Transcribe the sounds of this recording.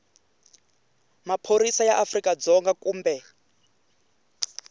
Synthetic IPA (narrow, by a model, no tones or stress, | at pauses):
mapʰoɾisajaʔafrikad͡zɔŋɡakuːmbɛ